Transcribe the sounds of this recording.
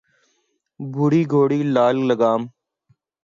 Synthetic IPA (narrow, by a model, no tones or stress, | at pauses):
bʱʊɽiːɡʱoːɽiːlaːlləɡaːm